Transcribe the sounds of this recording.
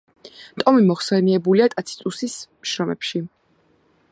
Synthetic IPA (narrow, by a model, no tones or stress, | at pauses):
t̪ʼɔmimɔχsɛniɛbuliat̪ʼat̪sʰi̥t̪ʼusismʃɾɔmɛpʃi